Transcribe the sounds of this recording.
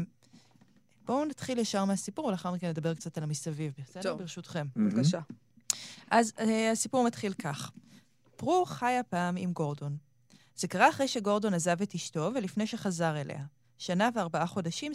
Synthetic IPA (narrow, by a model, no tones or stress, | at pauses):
b̥o̞nat̪χiljaʃaʁmeasipuʁvelaχaʁmikenːed̪abe̞ʁkt͡satalamisavivbesabiʁeʃutχemvakaʃa | ʔazasipuʁmat̪χilkaχ | pʁuχajapaːmimɡo̞ʁdo̞n | z̥e̞kaʁaːχʁejʃe̞ɡo̞ʁdo̞nazavetiʃto̞velifnejʃe̞χazaʁelʔḛha | ʃanaveaʁbaaχo̞daʃim